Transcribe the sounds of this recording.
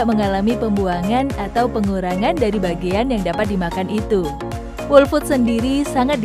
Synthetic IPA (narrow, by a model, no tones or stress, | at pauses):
ʔməŋalamipəmbuaŋanat̪awpəŋuɾaŋandaɾibaɡianjaŋdapat̪̚dimakanʔit̪u | wʊlfʊt̪̚səndiɾisaŋat̪̚d